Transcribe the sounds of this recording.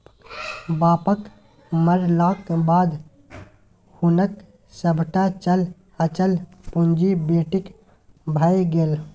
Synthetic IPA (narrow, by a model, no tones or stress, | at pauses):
baːpək | məɾlaːkbaːd̪ | hʊnək | səbʱʈat͡ʃəl | ət͡ʃəlpʊnd͡ʒibeːʈɪk | bʱəjɡel